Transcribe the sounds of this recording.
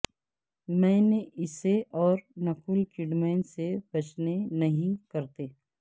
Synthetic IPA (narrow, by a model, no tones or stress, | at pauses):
mɛ̃ːneɪseʔɔːɾnɐkʰulkɪɖmɛːnsebɐt͡ʃnenɐɦĩkɐɾt̪eː